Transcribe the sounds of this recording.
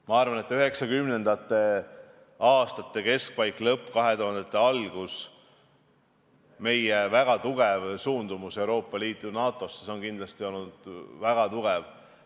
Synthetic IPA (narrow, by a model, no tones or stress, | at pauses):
mɑɑrvɑne̞t̪ːˑyɦe̞ksɑkymne̞nd̪̥ɑt̪ˑːe̞ | ɑːst̪ɑt̪ːˑe̞ke̞sk̚pɑjkːˑlɤpːˑkɑɦe̞t̪oɦɑnd̪̥et̪ːˑeɑlɡ̥us | me̞jevæɡ̥ɑt̪uɡ̥evsuːnd̪̥umuse̞uwɾo̞ːpːˑɑliːt̪ˑunɑːt̪ˑo̞seso̞nkind̪lɑst̪io̞lnud̪̥væɡ̥ɑt̪uɡ̥ev